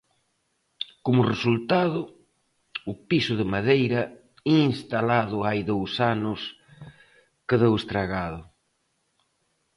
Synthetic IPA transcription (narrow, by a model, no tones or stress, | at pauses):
komʊresult̪aðʊ | ʊpisʊðɪmaðejɾɐ | inst̪alaðʊajðowsanʊs | kɪðewest̪ɾaɣaðʊ